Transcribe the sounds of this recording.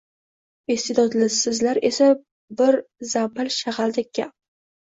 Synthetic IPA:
est̪ed̪ɒd̪lɪsɪzlaɾe̞sa | bɪɾzapɨlʃaʁald̪ɪk̚ʲːa

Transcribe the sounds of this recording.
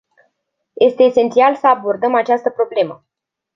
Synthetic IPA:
je̞st̪e̞ːse̞nt̪sialsəabo̞rd̪əmat͡ʃast̪əpɾo̞ble̞mə

